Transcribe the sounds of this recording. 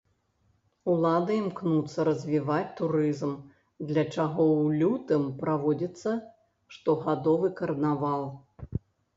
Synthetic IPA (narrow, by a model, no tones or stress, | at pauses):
ulˠad̪ɐimknut̪sːɐɾɐzʲvʲivat͡sʲt̪uɾɨzm | d̪lʲɐt͡ʂaɣɔwlʲut̪ɨmpɾavɔd͡zʲit̪sːɐ | ʂt̪ɔɣad̪ɔvɨkɐɾnavalˠ